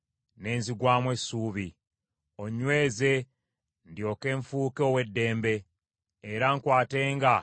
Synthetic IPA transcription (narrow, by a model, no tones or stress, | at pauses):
ne̞ːnziɡwaːmwe̞suːβi | o̞ɲːwe̞ːze̞ | ndjo̞ːke̞ːɱfuːkeowe̞dːe̞ːmbe̞ː | ɾaŋkwaːte̞ːŋɡa